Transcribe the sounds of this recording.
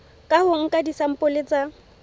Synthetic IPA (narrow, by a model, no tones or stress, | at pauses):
kʼahʊŋ̩kʼadisam̩pʼʊlet͡sʼa